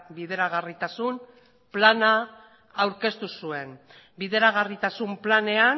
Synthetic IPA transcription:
biðe̞ɾaɣ̞arit̪asun | planaː | wɾke̞st̪usue̞n | biðeɾaɣ̞arit̪asumplane̞a

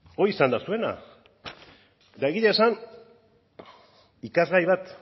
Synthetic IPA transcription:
oisand̪asue̞na̰ | et̪ae̞ɣiʎaesan | ikazɣajβat̪

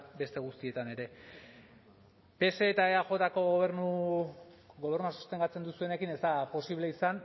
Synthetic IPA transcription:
be̞st̪e̞ɣ̞ust̪ie̞t̪ane̞ɾe̞ | pe̞se̞ːt̪aeaʝo̞t̪ako̞ɣ̞o̞β̞e̞ɾnu | ɣo̞β̞e̞rnuasu̥st̪e̞ŋɡat͡se̞nd̪usue̞ne̞kine̞zd̪apo̞siβle̞isan

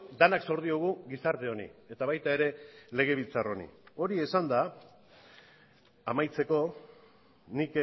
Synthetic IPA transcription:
d̪anakso̞ɾð̞ioɣ̞uɣisaɾt̪e̞o̞nḭe̞t̪aβ̞ajt̪ae̞ɾe̞le̞ɣ̞e̞β̞ilt͡saro̞nḭo̞ɾie̞sand̪a | amajt͡se̞ko̞ | nik

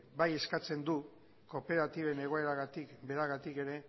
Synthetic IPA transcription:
baje̞skat͡se̞nd̪u | ko̞pe̞ɾat̪iβe̞ne̞ɣ̞o̞e̞ɾaɣat̪ikbe̞ɾaɣat̪ike̞ɾe̞

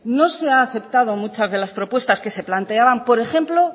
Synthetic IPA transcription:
no̞se̞aːθe̞pt̪að̞o̞mut͡ʃazðe̞laspɾo̞pwe̞st̪aske̞se̞plant̪e̞aβampo̞ɾe̞xe̞mplo̞

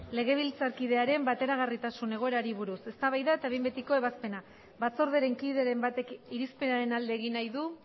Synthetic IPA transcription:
le̞ɣ̞e̞β̞ilt͡saɾkiðe̞aɾe̞mbat̪e̞ɾaɣ̞arit̪asune̞ɣ̞o̞e̞ɾaɾiβuɾuse̞st̪aβajðae̞t̪aβembet̪iko̞e̞βaspe̞na | βat͡so̞ɾð̞eɾe̞ŋkiðe̞ɾe̞mbat̪e̞kiɾispe̞naɾe̞nald̪e̞ːɣ̞inajðu

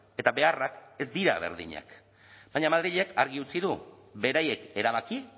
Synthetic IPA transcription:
e̞t̪aβe̞arake̞zd̪iɾa̰β̞e̞̰ɾðḭɲa̰k | b̥ajɲamaðɾiʎe̞kaɾɣ̞iut͡siðu | βe̞ɾaje̞ke̞ɾaβ̞aki

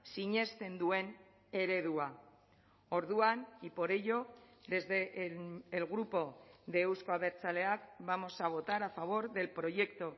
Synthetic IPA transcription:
siɲe̞st̪e̞nd̪ue̞n | e̞ɾe̞ð̞ua | o̞ɾðuanipo̞ɾe̞ʎo̞d̪e̞zðe̞ʔːlɣɾupo̞ðeːwskoaβe̞ɾt͡sale̞akβamo̞saβ̞o̞t̪aɾafaβ̞o̞ɾðe̞lpɾo̞ʝe̞kt̪o̞

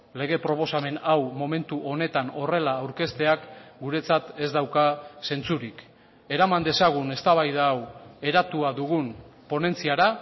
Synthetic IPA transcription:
le̞ɣe̞pɾo̞po̞same̞nawmo̞me̞nt̪uʔo̞ne̞t̪ano̞re̞laːwɾke̞st̪e̞akɡuɾe̞t͡sat̪e̞zd̪awkase̞nt͡suɾik | e̞ɾamand̪e̞saɣ̞une̞st̪aβajð̞aːwe̞ɾat̪uaðuɣ̞unpo̞ne̞nt͡siaɾa

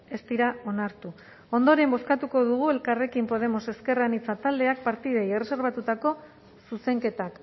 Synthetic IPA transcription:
e̞st̪iɾao̞naɾt̪u | o̞nd̪o̞ɾe̞mbo̞skat̪uko̞ðuɣ̞ue̞lkare̞kimpo̞ð̞e̞mo̞se̞ske̞ranit͡sat̪ald̪e̞ak̚paɾt̪ið̞ejere̞se̞ɾβ̞at̪ut̪ako̞ | suse̞ŋke̞t̪ak

